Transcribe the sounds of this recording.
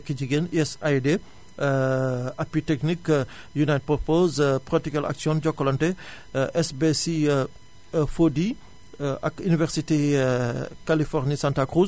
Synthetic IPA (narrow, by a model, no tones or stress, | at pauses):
kid͡ʒiɡeniɛsajde | apitɛknik | junajt̚pɔpozpɾɔtikala̰ksjɔ̃nd͡ʒɔkːɔlɔnte | ʔɛsbesi | fodi | a̰kynivɛɾsite | kalifɔʁnisãntakɾuz